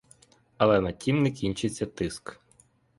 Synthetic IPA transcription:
ɐlˠɛnɐtʲimnɛkʲinʲt͡ʃɪt͡sʲːɐt̪ɪsk

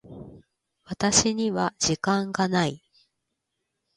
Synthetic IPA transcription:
βat̪aɕiɲ̟iβaʑikãŋɡanai

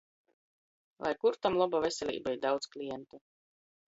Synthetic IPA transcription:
lˠʔa̰jkuɾt̪amlˠɔbavʲesʲɛlʲḭːbaiɾd̪awt̪sklʲijɛnt̪u

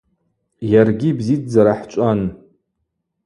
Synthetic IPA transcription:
jarɡʲibzit͡sʰʼd͡zaɾaħt͡ʃʷʼan

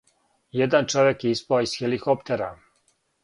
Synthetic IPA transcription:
jed̪ant͡ʃoʋjekjeispaoisxelikopt̪eɾa

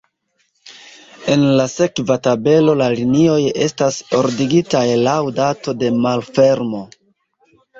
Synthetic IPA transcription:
e̞nlase̞kvatabe̞lo̞lalinio̞je̞staso̞ɾdiɡitajlawdato̞de̞malfe̞ɾmo̞

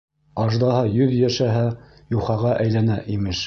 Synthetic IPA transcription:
ɑʒd̪ɑhɑjɵðjæʃæɦæ | juχɑʁɑʔæjlænæʔimɘʃ

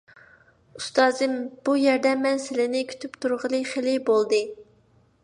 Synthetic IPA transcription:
ust̪ɑːzɨmb̥ujɛɾd̪ɛmɛnsɪlɪnɪkʲʰy̥t̪ʰypt̪ʰuɾʁəlˠɨχelɪbolˠd̪ɨ

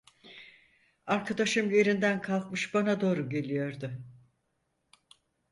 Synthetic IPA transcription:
aɾkʰad̪aʃɯmje̞ɾind̪ænkʰalˠkmɯʃbanad̪o̞ːɾuɟe̞lʲijo̞ɾd̪ʊ

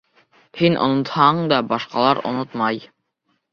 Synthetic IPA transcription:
hinʔŏ̰nŏt̪hɑɴd̪ɑbɑʃqɑ̰lˠɑɾŏ̰not̪mɑj

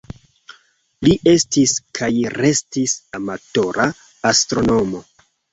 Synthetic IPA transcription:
liʔe̞stiskʰajrʔe̞stisamato̞ɾʔaː | stɾo̞no̞mo̞

